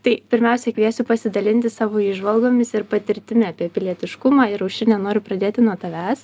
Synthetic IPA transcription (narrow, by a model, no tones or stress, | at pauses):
t̪ɐɪpʲɪɾʲmʲɛʊsʲɛkʋʲiɛsʲʊpɐsʲɪd̪ɐlʲɪnʲt̪ʲɪsɑːʋoːiːʒʋɐlˠɡoːmʲɪsɪɾpɐt̪ʲɪɾʲt̪ʲɪmʲɪɑːpʲiɛpʲɪlʲiɛt̪ʲɪʃkʊmɑːɪɾɐʊʃʲɪnʲɛnoːɾʲʊpɾɐd̪ʲeːt̪ʲɪnuɔt̪ɐʋʲæːs